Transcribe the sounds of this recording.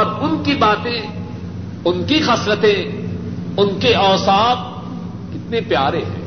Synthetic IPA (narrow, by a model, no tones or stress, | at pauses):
ɾʊnkibaːt̪ẽ | ʊnkixɐsɾət̪ẽ | ʊnkeɔːsaːf | kɪt̪nepjaːɾeɦɛ̰̃ː